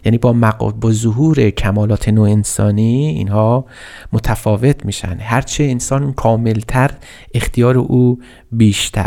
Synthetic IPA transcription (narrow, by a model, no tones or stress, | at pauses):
jæːniːbɒːmæ̰bɒːzoɦuːɾecʰæmɒːlɒːt̪ʰenoːensɒːniḭːnhɒː | mot̪ʰæfɒːve̞t̪ʰmiːʃæ̰nd̪ɦæɾt͡ʃʰeːnsɒːnkʰɒːme̞lt̪ʰæɾ | ext̪ʰijɒːɾeʔuː | biːʃt̪ʰæ̰ɾ